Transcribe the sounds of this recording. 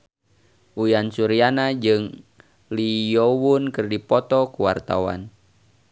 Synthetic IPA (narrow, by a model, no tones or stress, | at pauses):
ʔujansuɾianad͡ʒɨŋ | lijɔwunkɨrdipɔt̪ɔkuwa̰rt̪a̰wa̰n